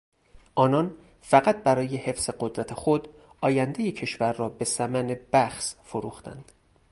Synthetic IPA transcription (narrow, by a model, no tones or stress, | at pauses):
ʔɒːnɒn | fæɣæt̪̚bæɾɒːje̞he̞fseɢod̪ɾæt̪ʰe̞xod̪ | ɒːjænd̪e̞jecʰe̞ʃvæɾːɒːbe̞sæmæne̞bæxsfoɾuːxt̪æ̰nd̪̥